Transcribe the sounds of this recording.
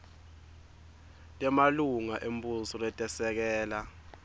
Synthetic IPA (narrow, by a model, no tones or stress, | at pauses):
tʼɛmaluŋaʔembʼusɔlɛtʼɛsɛk̬ɛːla